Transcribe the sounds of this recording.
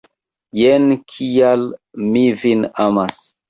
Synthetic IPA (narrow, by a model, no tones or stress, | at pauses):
jenkʰijalmivinamas